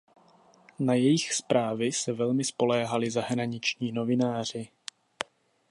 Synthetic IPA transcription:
najɛjɪxspɾʔaːvɪsɛvɛlmɪspo̞lɛːɦalɪzaɦɾaɲɪt͡ʃɲiːno̞vɪnaːr̝ɪ

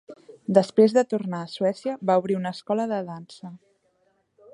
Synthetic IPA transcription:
d̪əspɾezðət̪urnaːsuɛsiəβauβ̞ɾiunəskɔləðəðansə

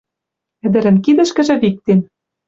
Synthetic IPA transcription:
ɘ̆d̪ɘ̆ɾɘ̆nkid̪ɘ̆ʃkɘ̆ʒɘ̆βik̚t̪en

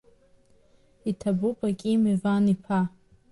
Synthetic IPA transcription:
itʰabupʼakʲʼimevanipʰa

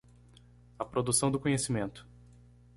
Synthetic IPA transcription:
ɐpɾod̪usɐ̃w̃d̪ʊkõɲesimẽnt̪ʊ̥

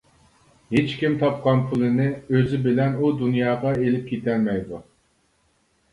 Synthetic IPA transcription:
het͡ʃkʲimt̪ʰɑp̚qʰɑnpʰɨlˠɨnɪøzɪbɪlɛnud̪unjɑːʁɑelɪp̚kʲʰet̪ʰɛlmɛjd̪u

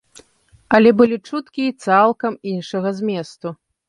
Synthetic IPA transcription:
ɐlʲɛbɨlʲit͡ʂut̪kʲiːt̪salˠkɐminʂɐɣɐzʲmʲɛst̪u

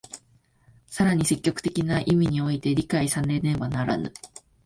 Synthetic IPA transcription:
saɾaɲ̟ise̞kʲːo̞kɯ̟̥t̪e̞kʲinaʔimʲiɲ̟io̞it̪e̞ɾʲikaisanẽ̞nẽ̞banaɾa̰nɯ̰

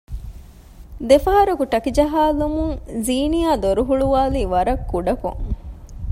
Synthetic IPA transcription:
d̪efɐɦɐɾukuʈɐkid͡ʒɐɦaːlumuŋziːnijaːd̪oɾuɦuɭuʋaːliːʋɐɾɐkːuɖɐko̰ŋ

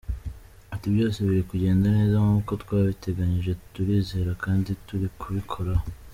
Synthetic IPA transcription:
atiβɟo̞ːseβiɾikuɟe̞ːndane̞ːzaŋuːko̞twaːβite̞ɡaɲiʒe̞tuɾiːze̞ːɾakaːndituɾikʰuβikʰo̞ɾa

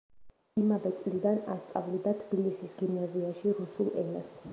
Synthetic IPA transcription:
imavɛt̪sʼlid̪ana̰st̪sʼavlid̪at̪ʰbilisisɡimnaziaʃiɾusulˠɛ̰nas

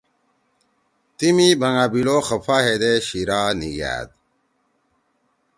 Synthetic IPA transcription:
t̪imibʱɐŋabiloxəfaɦed̪eɕiɾaːniɡæ̰ːd̪̚

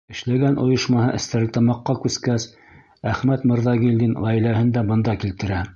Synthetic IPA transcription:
ɘ̆ʃlæɡænʔŏjɤʃmɑhɤʔɘ̆st̪æɾlɘt̪ɑmɑqːɑkʉskæs | æχmæt̪mɤ̆ɾðɑɡild̪inʁæjlæhɘnd̪æbɤ̆nd̪ɑkilt̪ɘ̆ɾæ

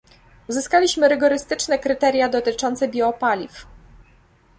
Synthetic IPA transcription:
uzɘskalʲiɕmɘɾɘɡɔɾɘst̪ɘt͡ʂnɛkɾɘt̪ɛɾʲjad̪ɔt̪ɘt͡ʂɔnt̪sɛbʲjɛɔpalʲif

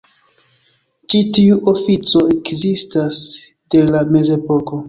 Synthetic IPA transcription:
t͡ʃitiuʔofit͡so̞e̞kzistas | d̥e̞lame̞ze̞po̞ko̞

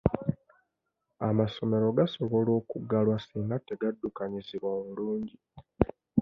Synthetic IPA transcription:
amaso̞me̞ɾo̞ɡaso̞βo̞lo̞ːkuɡalwasiːŋɡatːeɡadːukaɲiziβwoːmuluːɲɟi

